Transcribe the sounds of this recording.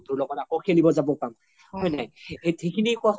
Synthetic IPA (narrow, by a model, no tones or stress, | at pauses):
tuɹlɔɡɔtakoxʰelibɔzabɔpam | hɔjnajetʰekʰinikua